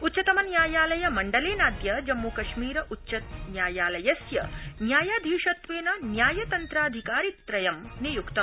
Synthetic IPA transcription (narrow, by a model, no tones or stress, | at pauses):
ut̪ːt͡ʃɐt̪ɐmɐnjaːjaːlɐjɐmɐɳɖɐleːnaːd̪jɐd͡ʒɐmːuːkɐʃmiːɾɐʔutːʃɐt̪njaːjaːlɐjɐsjɐ̰njaːjaːd̪ʱiːʂɐt̪ʋeːnɐnjaːjɐt̪ɐnt̪ɾaːd̪ʱikaːɾit̪ːɾɐjɐmnijukt̪ɐm